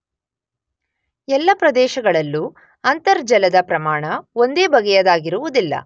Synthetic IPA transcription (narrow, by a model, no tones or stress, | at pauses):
ɛlːɐpɾɐd̪ɛːʃɐɡɐɭɐlːu | ɐnt̪ɐɾd͡ʒɐlɐd̪ɐpɾɐmaːɳɐond̪e̞ːbɐɡɛjɐd̪aːɡiɾuʋud̪ilːɐ̰